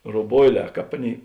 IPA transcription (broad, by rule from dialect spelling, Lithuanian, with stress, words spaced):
roːˈboːɪˌlʲɛː ˈkɑːp ˈɑːˌnʲeːɪ